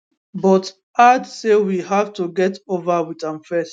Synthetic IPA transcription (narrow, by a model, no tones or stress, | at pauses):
bɔt | adsewiɦavtuɡɛtovawitãmfɛs